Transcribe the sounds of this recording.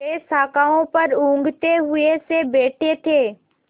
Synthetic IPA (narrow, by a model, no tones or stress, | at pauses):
esaːkaːõpɐɾũːŋ̆ɡʱt̪eɦʊesebeːʈʰet̪ʰeː